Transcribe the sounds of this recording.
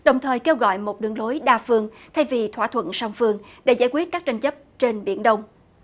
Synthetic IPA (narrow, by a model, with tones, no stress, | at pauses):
ɗə˨˩wŋ͡mt̪ʰəː˨˩jke˧wɣɔ̰˧˨jmo˨˩t̚ɗɨ˨˩əŋlo˨˦jɗaː˧fɨ˧əŋ | t̪ʰa˧jvi˨˩t̪ʰwa̰ː˧˩t̪ʰwə̰˧˨nsa˧wŋ͡mfɨ˧əŋ | ɗḛ˧˩zaː˧˩jkwi˦˥ət̚kaː˦˥k̚t͡ɕa˧ŋ̟t͡ɕə˦˥p̚t͡ɕe˧nɓḭ˧˩ənɗə˧wŋ͡m